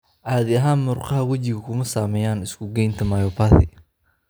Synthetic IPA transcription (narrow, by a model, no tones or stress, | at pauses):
ʔaːðɪɐɦaːnmʊrqɑɦɐwɐt͡ʃɪɣɐkʰʊmɐsaːmɛːjaːnɪskʰʊɡɛjnt̪ʰɐmɐjɔːpʰaːθɪ̰